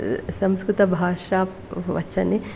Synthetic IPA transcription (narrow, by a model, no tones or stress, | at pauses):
sɐmskɾut̪ɐbʱaːʂaː | ʋɐ̰t͡ʃʰɐne